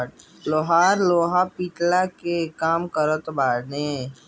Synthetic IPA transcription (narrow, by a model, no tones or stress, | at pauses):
loːɦaːɾloːɦapiːʈlakekaːmkəɾət̪baːɾne